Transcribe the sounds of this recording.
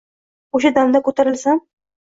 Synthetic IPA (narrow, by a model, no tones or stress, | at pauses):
oʃ̬ad̪amd̪akʰɵt̪ʰaɾɪlsam